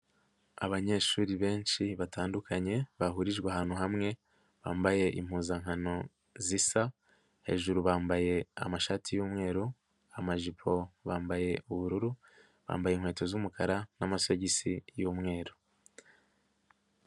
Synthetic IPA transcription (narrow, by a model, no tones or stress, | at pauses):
aβaɲe̞ʃuːɾiβe̞ːnʃiβatʰaːndukʰaɲe̞βaɦuɾiʒɡweaɦaːn̥uɦamŋe̞ | βaːmbaje̞ʔḭm̥huːzaŋɦano̞ | zisa | he̞̰ʒuɾuβaːmbaje̞a̰maʃaːtʰijuːmŋe̞ːɾu | amaʒipʰo̞βaːmbaje̞ʔuβuɾuɾu | βa̰ːmbajeiŋwe̞ːto̞zumukaɾanamasoɟisijuːmŋe̞ːɾo